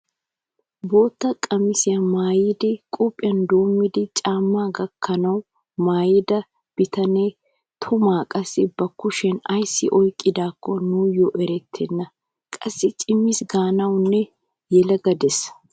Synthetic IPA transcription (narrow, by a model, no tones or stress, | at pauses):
bo̞ːt̪ːɐkʼɐmɪsɪjɐmaːjɪd̪ɪkʼʊpʼːɪjɐnd̪o̞ːmːɪd̪ɪt͡ʃʼaːmːaːɡɐkʰːɐnɐw | maːjɪd̪ɐ | b̥ɪt̪ɐneː | t̪ʰʊmaːkʼɐsːɪbɐkːʊʃɛnɐjsːɪ̰ʔɔjkʼːɪd̪aːkːɔnuːjɔʔɛɾɛt̪ʰːɛnːɐ | kʼɐsːɪt͡ʃʼɪmːɪsɡaːnɐwnːɛ | jɛlɐɡɐd̪ɛs